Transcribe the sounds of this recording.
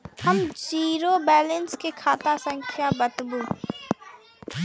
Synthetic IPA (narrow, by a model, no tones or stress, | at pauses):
həmd͡ʒiːɾobɛːlə̃nskekʰaːt̪asə̃ŋkʰjabət̪buː